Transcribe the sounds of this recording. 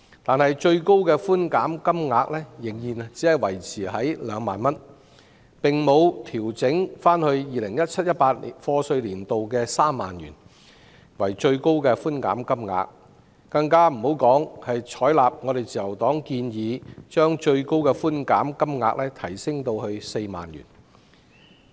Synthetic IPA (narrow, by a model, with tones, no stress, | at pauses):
t̪aː˨nhɐ˨jt͡ʃɵ˧ɥko˥wkɛː˧fuː˥nkaː˨˥mkɐ˥mŋaː˧k̚lɛː˥jɪ˨˩ŋjiː˨˩n˨t͡siː˨˥hɐ˨jwɐ˨˩jt͡sʰiː˨˩ɦɐ˨˥jlœː˨˧ŋmaː˨nmɐ˥n | pɪ˨˩ŋmo˨˧wt̪ʰiː˨˩wt͡sɪ˨˥ŋfaː˥nhɵ˧ɥjiː˨lɪ˨˩ŋjɐ˥t̚t͡sʰɐ˥t̚jɐ˥t̚paː˧t̚i˨˩nfɔː˧sɵ˧ɥliː˨˩nt̪o˨wkɛː˧saː˥mːa̰ː˨njy̰ː˨˩n | wɐ˨˩jt͡ʃɵ˧ɥko˥wkɛː˧fuː˥nka̰ː˨˥mkɐ˥mŋa̰ː˧k̚ː | ɐ˧ŋkaː˥m̩˨˩ho˨˥wkɔː˨˥ŋhɐ˨jt͡ʃʰɔː˨˥jlaː˨p̚ŋɔ˨˧ɾe˨jt͡siː˨jɐ˨˩wt̪ɔː˨˥ŋkiː˧njiː˨˧t͡ʃœː˥ŋt͡ʃɵ˧ɥko˥wkɛː˧fuː˥nka̰ː˨˥mkɐ˥mŋa̰ː˧k̚lɛː˥t̪ʰɐ˨˩jsɪ˥ŋt̪o˧whɵ˧ɥse˧jma̰ː˨njy̰ː˨˩n